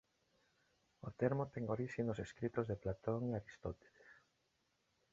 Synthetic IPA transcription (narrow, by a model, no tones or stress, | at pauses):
ot̪eɾmot̪eŋoɾiʃinoseskɾit̪ozðeplat̪oŋiaɾist̪ot̪e̥les